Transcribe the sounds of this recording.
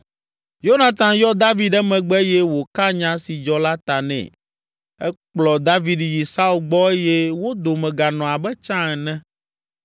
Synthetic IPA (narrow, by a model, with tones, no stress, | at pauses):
jo˦nã˨t̪ã˨jɔ˦d̪a˦vi˦ɖɛ˦mɛ̃˨ɡ͡bɛ˦jɛ˦wo˨ka˦ɲã˦si˨d͡ʒɔ˦la˦t̪a˨nɛ̰̃˨ | ɛ˦k͡plɔ˨d̪a˦vi˨dji˨sa˦u˨lɡ͡bɔ˦e˦jɛ˦wo˦d̪o˨mɛ̃˨ɡa˨nɔ̃˨a˨bɛ˦t͡ʃã˦ɛ˨nɛ̃˦